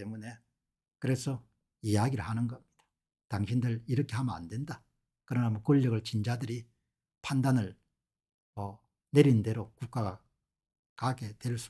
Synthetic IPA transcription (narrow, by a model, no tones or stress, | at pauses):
emune̞ | kɯɾe̞sʰʌ | ijaɡiɾɯɭhanɯnɡʌmɲid̥ḁ | taŋɕʰindɯɭiɾʌkʰe̞ɦamʌna̰ndwe̞nda | kɯɾʌnamʌkoʎːʌɡɯɭt͡ɕind͡ʑadɯɾi | pʰandanɯɭ | mʌ | ne̞ɾinde̞ɾokuk̚k͈aɡa | kaɡe̞twe̞ɭs͈u